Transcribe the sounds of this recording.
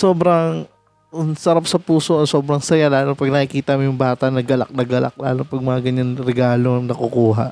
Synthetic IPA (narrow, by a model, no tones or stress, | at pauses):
so̞ːbɾɐŋ | ŋsɐɾap̚sɐpuːsoʔɐso̞ːbɾɐŋsɐjalaːlopɐɡ̚nɐkɪkiːt̪ɐmojʊŋbaːt̪ɐʔnɐɡɐla̰k̚nɐɡɐla̰k̚la̰ːlopɐɡ̚mɐŋɐɡɐɲanɾɛɡaːloŋnɐkokuːɦa̰ʔ